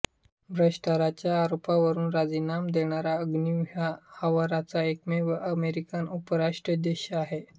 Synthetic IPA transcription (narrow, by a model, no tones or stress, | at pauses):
bʱɾəʂʈaɾat͡ɕjaːɾopaʋəɾuːnɾad͡zinamd̪eɳ̃aɾaəɡniʋɦahəʋaɾat͡saekmeʋəʔəmeɾikanupəɾaʂʈɾəd̪eɕaɦe